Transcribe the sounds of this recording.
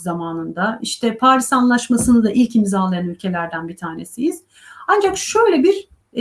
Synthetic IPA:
zamaːnɯnd̪aiʃt̪ʰɛpʰaːɾisanlˠaʃmasɯnɯd̪aʔilʲcimzalˠajanylʲcʰe̞lʲæɾd̪ænbit̪ʰaːne̞̰sijiz̥ | and͡ʒakʃø̞jlʲɛbiɾ

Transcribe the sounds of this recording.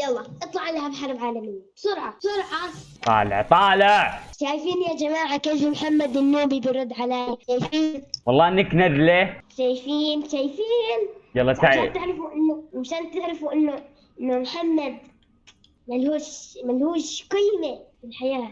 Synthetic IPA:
jɑlˤːɑːʔɨt̪ˤlɑʕalːahabħɑɾˤbʕaːlamɪjːabsʊɾʕɑsʊɾʕɑt̪ˤɑ̰ːlɪ̰ʕt̪ˤɑːlɪʕʕʃaːjfiːnjad͡ʒamaːʕakeːfmħamːad̪ɪnːuːbibɪɾˤʊd̪ːʕalajʃaːjfiːnwɑlˤːɑːʔɪnːaknadleːʃaːjfiːnʃaːjfiːnjɑlːˤɑːsaaʕaat̪ɪʕɾɪfuʔɪnːʊmaʃaːnt̪ɪʕɾɪfuʔɪnːʊ | ʔɪnːʊmħamːad̪̚ | malhuːʃmalhuːʃqɪjmefɪlħajaː

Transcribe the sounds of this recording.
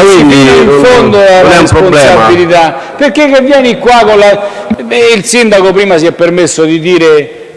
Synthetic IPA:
iiiɱfonnd̪oalːaɾesponsɛabilit̪a | peɾkːekːevːjɛːnikwakonla | ilsind̪akopɾiːmas̬iɛpːeɾmesːod̪id̪iːɾe

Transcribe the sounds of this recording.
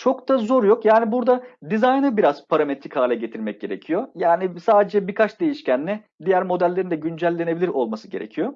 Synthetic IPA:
t͡ʃʰo̞kd̪azo̞ɾjo̞kjaːnibuɾd̪ad̪izajnɯbiɾazpʰaɾame̞t̪ɾikhaːlʲɛɟe̞t̪ʰiɾmɛc̚ɟe̞ɾecʰijo̞jaːnisaːd̪e̞d͡ʒɛbikʰat͡ʃd̪e̞jiʃcʰænlʲɛ | d̪ijæɾmo̞d̪ælʲːeɾind̪ɛɟynd͡ʒælʲːe̞nebilʲiɾo̞lˠmasɯɟe̞ɾe̞̰cʰijo̞

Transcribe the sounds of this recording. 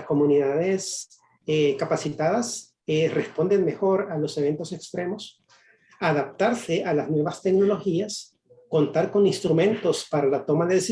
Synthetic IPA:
sko̞muniðaðe̞s | ekapasit̪aðas | ere̞spo̞nd̪e̞nme̞xo̞ɾalo̞se̞βe̞nt̪o̞se̞kst̪ɾe̞mo̞s | aðap̚t̪aɾse̞ʔalaznwe̞βast̪e̞kno̞lo̞xias | ko̞nt̪aɾko̞ninst̪ɾumẽ̞nt̪o̞spaɾalat̪o̞maðeðesi

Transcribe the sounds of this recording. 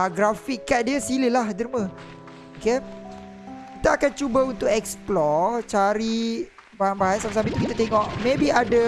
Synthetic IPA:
ɡɾafikːat̪̚diəsiləlahdəɾimə̃ | oke | kit̪aːkant͡ʃubaunt̪ʊʔɛksplɔt͡ʃaɾi | baɦanbaɦansams̬abit̪ukit̪at̪eŋɔʔmebiada

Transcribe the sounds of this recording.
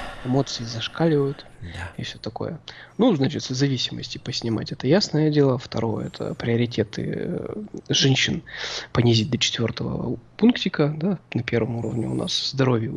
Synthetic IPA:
ɪmo̞t̪sɨɪzɐʂkalʲɪvəjʊt̪ɪfsʲɵt̪ɐko̞̰jənuznat͡ɕɪt̪səzɐvʲisʲɪmə̰sʲtʲɪpəsʲnʲɪma̰tʲɛt̪əjasnəjədʲelˠəft̪ɐɾo̞jə̰ɛt̪ʰə̰pɾʲɪəɾʲɪtʲe̞t̪ɨ̰ | ʐɛnʲɕːɪnpənʲɪzʲit̚ʲd̪ət͡ɕɪ̥t̪vʲo̞rt̪əvə̰punktʲɪkəd̪anɐpʲe̞rvəmuɾəvnʲɪ̰ʊ̰nʔa̰svzd̪ɐɾo̞vʲjɪ

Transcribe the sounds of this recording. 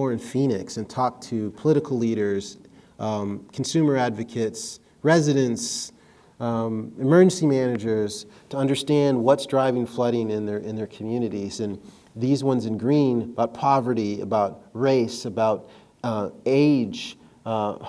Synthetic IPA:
ɔɹɨ̃nfĩnɨksɨ̃ntʰɔk̚tʰɨpʰəlɪɾɨkʰl̩ˠliɾə˞z̥ | kʰn̩sʉmə˞ædvɨkʰɨts | ɹɛzɨɾɨ̃ns | ɨmɜ˞d͡ʒɨ̃n̩simænɨd͡ʒə˞z̥tʰəʌ̃ndə˞stæ̃nd̚wʌtsdɹaɪvɪ̃ŋflʌɾɪ̃ŋɪ̃nðə˞ʔɪ̃nðə˞kʰmjʉnɨɾizɨ̃n | ðizwʌ̃nzɨ̃nɡɹĩnəbaʊt̚pʰɑvə˞ɾiɨ̰baʊt̚ɹeɪsɨbaʊt | eɪ̥d͡ʒ

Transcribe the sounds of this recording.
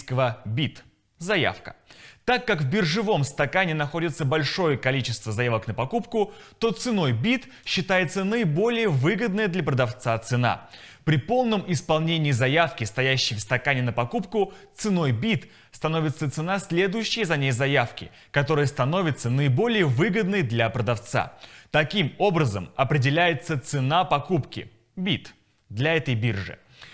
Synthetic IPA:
kəvəbʲit̪ | zɐja̰fkə̥̰t̪akːakvbʲɪrʐɨvo̞mst̪ɐkanʲɪnɐxo̞dʲɪt̪səbɐlʲʂo̞jəkɐlʲit͡ɕɪst̪vəzɐjavəknəpɐkupkʊt̪o̞t̪sɨno̞jbʲit̪ | ɕːɪt̪ajɪt̪sənəɪbo̞lʲɪjəvɨɡəd̪̚nəjəd̪lʲɐpɾəd̪ɐft̪sat̪sɨna̰ | pɾʲɪpo̞lˠnəmɪspɐlˠnʲenʲɪiːzɐjafkʲɪst̪ɐjæɕːɪjfst̪ɐkanʲɪnəpɐkupkʊt̪sɨno̞jbʲit̪ | st̪ɐnovʲɪt̪sət̪sɨnasʲlʲe̞d̪ʊjʉɕːɪjəzɐnʲejzɐjafkʲɪ̰ | kɐt̪o̞ɾɨjəst̪ɐno̞vʲɪt̪sənəɪbo̞lʲɪjəvɨɡəd̪nəjd̪lʲɐpɾəd̪ɐft̪sa̰t̪ɐkʲimo̞bɾəzə̰mɐpɾʲɪdʲɪlʲæjɪt̪sət̪sɨnapɐkupkʲɪ̰ | bʲit̪ | d̪lʲɐɛt̪əjbʲirʐɨ̰

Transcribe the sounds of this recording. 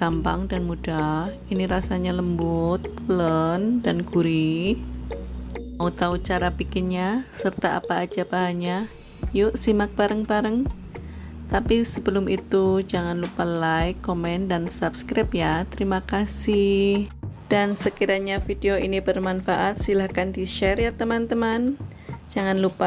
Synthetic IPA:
kampa̰ŋdanmudahiniɾasaɲaləmbʊt̪̚ | ələndanɡuɾi | aut̪awt͡ʃaɾapikɪnɲasərt̪aa̰paːd͡ʒabaɦaɲa | jʊʔsimak̚b̥aɾəŋbaɾəŋ | t̪apisəbəlʊmit̪ud͡ʒaŋanlupalajkːomɛndansapskɾap̚jat̪əɾimakasɪhd̥ansəkiɾaɲafideoʔinibərmanfaʔat̪̚silahkandiʃɛrjat̪əmant̪əman | d͡ʒaŋanlupa

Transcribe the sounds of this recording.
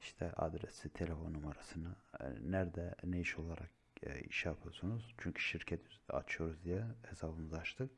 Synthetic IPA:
iʃt̪ʰɛʔa̰d̪ɾesit̪ʰe̞lʲefo̞nːumaɾasɯnanæɾd̪ɛnejiʃo̞lˠaɾʔakː | ḭʃɛjapʰɯjoɾsunuz̥t͡ʃʰyɲcʰy̥ʃiɾcʰɛt̪ʰia̰t͡ʃʰɯjo̞ɾuzd̪ijɛhesabɯmɯzaʃt̪ʰɯ

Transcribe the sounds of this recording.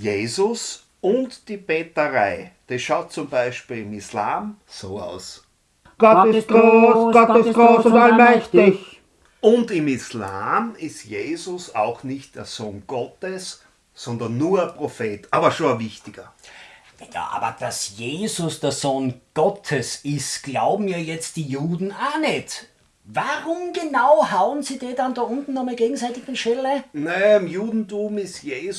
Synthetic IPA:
jeːzʊs | ʊntd̥iːb̥eːtəʁaɪd̥esʃaʊt̚t͡sʊmbæɪʃpiːlɪmislaːm | soːa̰ʊs | ɡ̥ɔtɪsɡosɡ̥ɔtɪsɡoːsʊ̃ndalmɛçtɪç | ʊndɪmislaːmɪstjeːzʊsaʊxnɪçt̚d̥eːɐz̥oːnɡ̥ɔtəsː | ɔndɐnːuːɐɛɐpʁ̥ofeːtʰaːbɐʃoɐvɪçtɪɡ̥ɐ | ja̰ːʔa̰ːbɐ̰d̥asjeːzʊsd̥eːɐzoːnɡ̥ɔtʰəsɪstɡ̥laʊbm̩jaːjɛt͡st̚d̥iːjuːdn̩aːnɛt | vaʁʊmɡenaʊhaʊənziːdeːdandaːʔʊ̃ntn̩ːɔxmalɡeːɡŋ̩saɪtɪɡɪnʃtɛlənɛɪmjuːdn̩tuːmɪstjeːz

